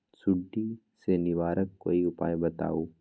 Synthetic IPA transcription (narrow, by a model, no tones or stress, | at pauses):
sʊɖːi | senɪʋaːɾəkːo̰ːiʊpa̰ːjbɐt̪a̰ːoː